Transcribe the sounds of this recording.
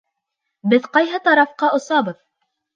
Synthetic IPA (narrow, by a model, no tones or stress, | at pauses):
bɘðqɑjɦɤt̪ɑɾɑfqɑʔŏsɑbɤð